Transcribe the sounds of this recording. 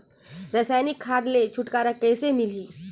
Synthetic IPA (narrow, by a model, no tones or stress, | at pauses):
ɾɐsaːjnikʰːaːd̪let͡ʃʰʊʈkaːɾakɛːsemɪliː